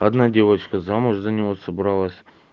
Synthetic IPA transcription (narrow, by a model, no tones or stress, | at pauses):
ɐd̪nadʲe̞vət͡ɕkəzamʊʐzənʲɪvosəbɾɑlˠəsʲ